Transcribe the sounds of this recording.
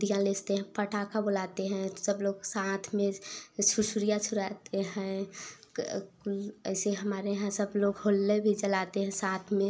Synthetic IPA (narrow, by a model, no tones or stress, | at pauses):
d̪ʱijãlest̪eɦɛ̃pəʈakabolat̪eɦɛ̃səbloɡsat̪ʰmẽt͡ʃʰuɾsuɾijat͡ʃʰuɾat̪eɦɛ̃ | klə̰ɪseɦəmaːɾeɦãsəbloɡɦolːebʱid͡ʒəlat̪eɦɛ̃sat̪ʰmẽ